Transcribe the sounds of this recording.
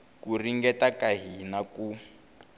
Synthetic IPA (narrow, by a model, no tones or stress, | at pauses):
kuriŋɡɛtakaɦinaku